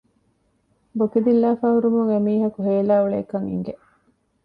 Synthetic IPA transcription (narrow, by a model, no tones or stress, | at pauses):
bokid̪ilːaːfaːɦuɾumuŋemiːɦɐkuɦeːlaːuɭḛːkɐŋḭŋɡe